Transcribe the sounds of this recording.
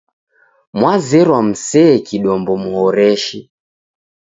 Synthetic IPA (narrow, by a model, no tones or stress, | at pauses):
mwazɛɾwam̩sɛːkiɗɔmbɔmuhɔɾɛʃi